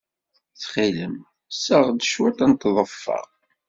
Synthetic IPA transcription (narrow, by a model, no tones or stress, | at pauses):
θχiləm | səʁd̪əʃwæt̪ænt̪ðˤəfːɑ̰ʁ